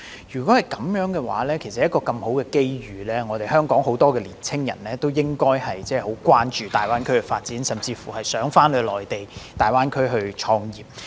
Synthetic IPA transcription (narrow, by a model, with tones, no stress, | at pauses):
jyː˨˩kɔ˨˦˥hɐ˨jkɐ˨˥mjœː˨˥ŋkɛː˧wa̰ː˨˥lɛː˥kʰe˨˩jsɐ˨jɐ˥kɔː˧kɐ˧mho˨˥wkɛː˧ke˥jɥyː˨˧lɛː˥ŋɔː˨˧e˨˩jɦœː˥ŋkɔː˨˥ŋɦo˨˥wt̪ɔː˥kɛː˧liː˨˩nt͡sʰɪ˥ŋjɐ̰˨˩nlɛː˥t̪o˥wjɪ˥ŋkɔː˥jhɐ˨jt͡sɛː˥˩ho˨˥wkʷwaː˥nt͡ʃyː˨t̪aː˨jwaː˥nkʰɵ˥kɛ˧faː˧t̚t͡siː˨˥nsɐ˨mt͡siː˧fṵ˨˩hɐ˨jsœː˨˥ŋfaː˥nhɵ˨˧lɔː˨˩jt̪e˨jt̪aː˨˩jwaː˥nkʰɵ˥ɥɦɵ˧ɥt͡ʃʰɔː˧ŋjiː˨p̚